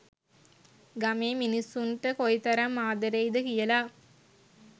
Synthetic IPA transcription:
ɡɐmeːminisunʈəkojt̪ɐɾɐmːaːd̪ɐɾejd̪əkijɐlaː

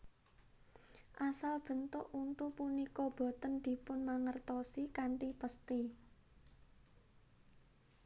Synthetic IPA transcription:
ʔasalb̥ə̤nt̪ʊʔunt̪upunikɔb̥o̤t̪ənd̪̥i̤pʊnmaŋərt̪ɔsikaɳʈipəst̪i

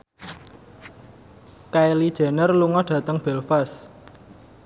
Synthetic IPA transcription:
kaelid̥ʒ̥ɛ̤nərluŋɔɖ̥ä̤t̪əŋb̥ɛ̤lfas

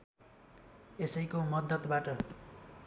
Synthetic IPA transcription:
esʌjkomʌd̪ʌt̪baʈʌ

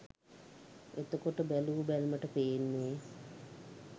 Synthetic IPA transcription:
et̪əkoʈəbælubælməʈəpeːnːeː

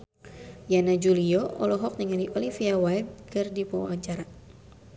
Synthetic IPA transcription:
janad͡ʒuliɔɔ̰lɔɦɔk̚nəŋaliʔɔlifiawajd̪̚kɨrdipawaɲt͡ʃaɾa

